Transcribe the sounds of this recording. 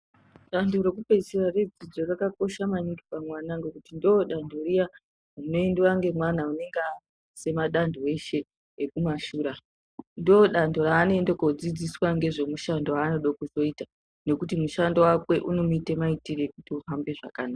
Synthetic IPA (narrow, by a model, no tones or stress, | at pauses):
ɗandoɾe̞kupesirared͡zid͡zorakako̞ʃamaɲiki̥pamwanaŋɡe̞kutindoɗandʱorija | uno̞endiwaŋɡe̞mwanaune̞ŋɡa | se̞maɗandʱoe̞ʃe̞ː | kumaʃuːɾa | ndoɗandoɾaːno̞endekod͡zid͡ziswaŋɡe̞ʐe̞muʃandoaːno̞ɗokuzo̞ita | no̞kutimuʃandowakwe̞ʔuno̞muite̞maitirekutiuɦambe̞ʐa̰kanaːa